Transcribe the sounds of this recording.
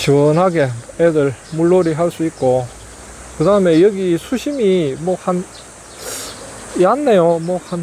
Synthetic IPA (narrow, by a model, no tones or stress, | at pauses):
ɕʰiwʌnɦaɡe̞edɯɭmuɭːoɾiɦaɭs͈uik̚k͈o | kɯdaɯme̞jʌɡisʰuɕʰimimwʌhan | ianːejomwʌhan